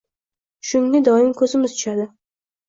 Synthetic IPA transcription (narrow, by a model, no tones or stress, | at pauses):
ʃʊŋnɪd̪ɒɪmkʰɵzɪmɪzt̪ʰʊʃad̪ɪ